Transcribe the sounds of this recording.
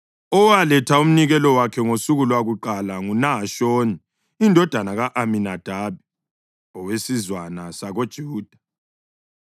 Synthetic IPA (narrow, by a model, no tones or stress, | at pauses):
ɔwalɛtʰaum̩niɣɛlɔwakʰɛŋosuɣulwaɣuǃalaŋunaʃoːniː | ndʱɔd̥ʱanaɣaʔaminad̥ʱaːβi | ɔwesizwanasaɣod̥ʒ̥ʱuːd̥ʱḁ